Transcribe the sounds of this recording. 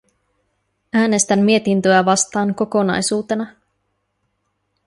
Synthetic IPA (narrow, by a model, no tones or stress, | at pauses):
æːne̞st̪æmːie̞t̪int̪øæʋɑst̪ɑːŋko̞ko̞nɑ̰jsuːt̪e̞nɑ